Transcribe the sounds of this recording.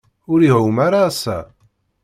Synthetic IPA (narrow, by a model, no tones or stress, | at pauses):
ʊɾiɦumaɾaːsæ̰